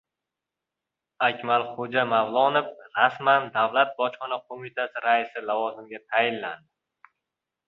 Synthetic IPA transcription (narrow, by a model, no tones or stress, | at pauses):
akʲmalˠχod͡ʒamavlˠɒnɪpɾasmand̪avlat̪̚bɒt͡ʃχɒnaqʰomɪt̪ʰasɪɾaɪsɪlavɒzɪmɡʲat̪ʰajɪnla̰nd̪ɪ